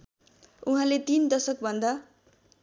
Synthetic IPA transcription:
uɦãlet̪ind̪ʌsʌk̚bʱʌnd̪a

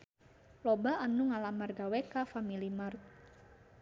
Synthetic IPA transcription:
lɔbaanuŋalamarɡawɛkafamilimart̪̚

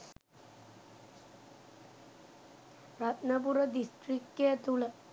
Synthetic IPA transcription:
rat̪nɐpurɐd̪isʈrikːet̪uɭɐ

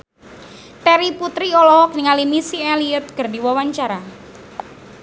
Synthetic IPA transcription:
t̪ɛɾiput̪ɾiɔlɔhɔk̚niŋalimisiɛliət̪̚kərdiwawaɲt͡ʃaɾa

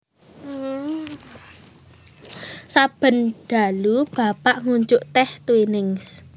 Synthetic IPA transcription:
sab̥ə̤nɖ̥a̤lub̥a̤paʔŋuɲd͡ʒʊʔt̪ɛht̪winɪŋs

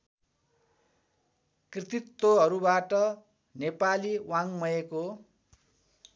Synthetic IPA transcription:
krit̪it̪ːwoɦʌɾubaʈʌ | nepaliwaŋmʌjeko

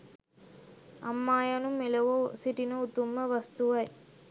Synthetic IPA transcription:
ɐ̰mːaːjɐnumelɐʋosiʈinəut̪umːəʋɐst̪uʋɐj

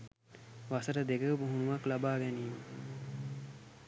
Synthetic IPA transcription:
ʋasəɾəd̪eɡəpuɦunuʋaklabaːɡɛniːmə

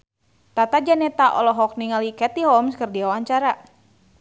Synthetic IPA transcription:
t̪at̪ad͡ʒanɛt̪aʔɔlɔɦɔk̚niŋalikɛt̪iɦɔmskɨrdiawaɲt͡ʃaɾa

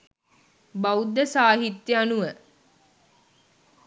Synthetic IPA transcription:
baud̪ːəsaːɦit̪jəanuʋə

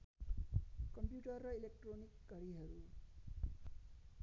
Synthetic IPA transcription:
kʌmpjuʈʌrːʌilek̚ʈronikɡʌɾiɦʌɾu

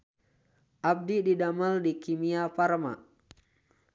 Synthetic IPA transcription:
ʔap̚dididaməldikimiapaɾma̰

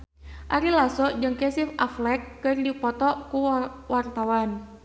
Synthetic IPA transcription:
ʔaɾilasɔd͡ʒɨŋkɛsifaflɛkːɨrdipɔt̪ɔkuwart̪awan

